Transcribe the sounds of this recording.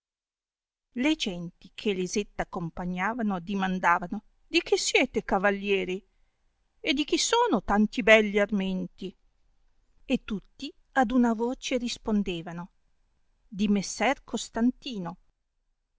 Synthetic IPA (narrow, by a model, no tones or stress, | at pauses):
led͡ʒɛnt̪ikʰelizet̪ːakːompaɲːaːvanod̪imand̪aːvano | d̪ik̟isːjɛːt̪ekavalːjɛːɾi | ed̪ik̟isoːnot̪ant̪ibɛlːiarment̪i | et̪ːut̪ːi | ad̪unavoːt͡ʃeɾispond̪eːvano | d̪imesːɛrkʰost̪ant̪iːno